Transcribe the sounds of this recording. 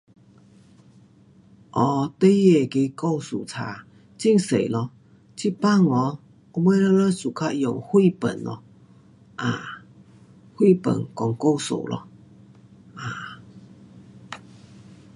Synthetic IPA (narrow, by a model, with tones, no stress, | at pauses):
ʔɔ˨˩t̪e˦je˨˩ke˧˦ko˥˧˨wsṵ˨˩t͡sʰa̰˧˦ | t͡ɕi˥˨ŋsḛ˨˩˨lɔ˧˦ | t͡ɕʰi˥pa˥˨ŋɔ˨˧˦ | o˧˦mwe˦lə˧lə˦su˨˩kʰa˦˧jo˨˩whwi˥˧˨pə̰˨˩nlɔ̰˧˦ | ʔa˨˩ | hwi˥˨pə̰˨˩nkɔ˨˩ŋko˥˧˨wso̰˨˩lʔɔ̰˧ | ʔa˨˩